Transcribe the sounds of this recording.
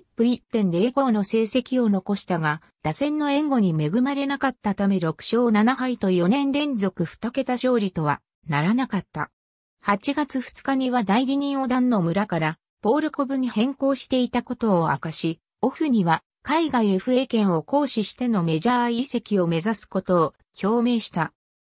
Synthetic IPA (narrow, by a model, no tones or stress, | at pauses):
pɯ̟ɾʲit̪ːẽ̞nd̪eːko̞ːno̞se̞ːse̞kʲio̞no̞ko̞ɕi̥t̪aɡa | d̪̥asẽ̞nːo̞ẽ̞ŋɡo̞ɲ̟ime̞ɡɯ̟maɾe̞nakat̪ːat̪ame̞ɾo̞kɯ̟̥ɕo̞ːnanaɦait̪o̞jo̞nẽ̞nɾẽ̞nd͡zo̞kɯ̟ɸɯ̟̥t̪oke̞t̪aɕo̞ːɾʲit̪o̞β̞a̰ | naɾanakat̪ːa̰ | hat͡ɕiɡat͡sɨɸɯ̟̥t͡sɨ̥kaɲ̟iβad̪aiɾʲiɲ̟ĩɰ̃o̞d̪anːo̞mɯ̟ɾakaɾa | po̞ːɾɯ̟ko̞bɯ̟ɲ̟ihẽ̞ŋko̞ːɕi̥t̪e̞it̪ako̞t̪o̞ːa̰kaɕi | o̞ɸɯ̟ɲ̟iβa | kaiɡaieɸɯ̟e̞ːkẽ̞ɰ̃o̞ko̞ːɕiɕi̥t̪e̞no̞me̞ʑaaise̞kʲio̞me̞zasɨ̥ko̞t̪o̞ː | kʲʰo̞ːme̞ːɕi̥t̪a